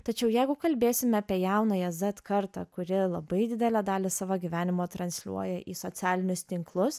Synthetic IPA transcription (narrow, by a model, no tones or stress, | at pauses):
t̪ɐt͡ʃʲɛʊjɛɪɡʊkɐlʲbʲeːsʲɪmʲɐpʲiɛjɛʊnɐjɛzɛt̪kɐɾt̪ɑ̰kʊɾʲɪlˠɐbɐɪd̪ʲɪd̪ʲɛlʲæːd̪ɑːlʲɪsɑːʋoːɡʲiʋʲæːnʲɪmoːt̪ɾɐnʲsʲlʲṵɔjɛʔiːsoːsʲæːlʲɪnʲʊst̪ʲɪŋklˠʊs